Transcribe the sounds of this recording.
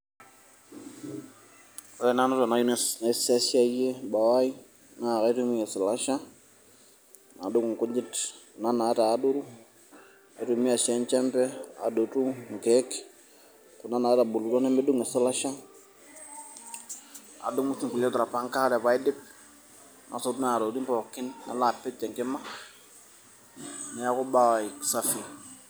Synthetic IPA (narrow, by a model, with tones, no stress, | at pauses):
ɔ˨˦jɛ˨na˦nɔ˦tɔ˨na˨˦ju˦nɛ˦sne˨sa˦si˦a˦je˦ba˨wa˦i˦ | na˦˨ka˦tu˦mi˦ŋɛ˨sɪ˨la˦ʃa˦ | na̰˨du˦ŋu˨ŋ˨ku˦d͡ʒi˦t | na˦na˨˦taː˨˦du˦ɾu˦ | a˨˦tu˨mi˦a˨ʃɛ˦nt͡ʃɛ˦mpɛ˦a̰˨do˨tu˦ŋ̩˨kɛ˦k | ku˨na˦na˨˦ta˨bu˨lu˨lɔ˦nɛ˦mɛ˦du˦ŋɛ˨sa˦la˦ʃa˦ | a̰˨dʊ˦ŋʊ˦si˨ŋku˨lɛ˦tu˨ɾa˨pa˦ŋka˦ɾɛ˨pa˨ɪ˦dɪ˦p̚ | nʔa̰˨so˨tu˦n˦a˨ɾo˨di˦mpɔ˨kːɪ˦nna̰˨la˨pːɛ˦t͡ʃːɛ˨ŋkɪ˦ma˦ | nɛ˨˦a˦kʊ˦ba˦˨wa˨i˨ksa˦fi˨